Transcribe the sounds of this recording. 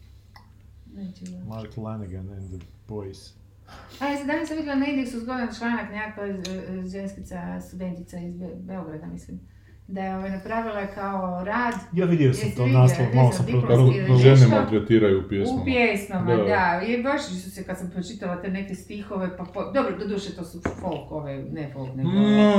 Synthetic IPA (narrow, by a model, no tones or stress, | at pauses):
neːt͡ʃemaɾklanɡanɛnd̪əbojs | amislimd̪anasamʋid̪jʲielaneɡd̪ʲejesuzɡod̪nt͡ʃlˠaːnaknaakoeʒenskit̪sast̪ud̪e̞nt̪it̪saizbeoɡɾad̪amislim | d̪ajeo̞ʋajnapɾaːʋilˠakaoɾaːd̪jaʋid̪jelosamt̪onaslˠomalˠosamp̪ɾoaoiɾaozennemat̪ɾet̪iːɾajuupjesupmpjeːsmamad̪aibaʃisusekad̪sampɾot͡ʃit̪aʋalat̪ene̞kest̪ixo̞ʋe̞papod̪obɾod̪od̪uːʃet̪o̞sufolˠkoʋenefolˠkne